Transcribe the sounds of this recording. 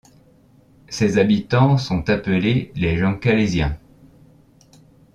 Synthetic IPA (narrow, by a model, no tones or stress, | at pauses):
sezabit̪ɑ̃sɔ̃t̪apəleleʒɑ̃kalezjɛ̃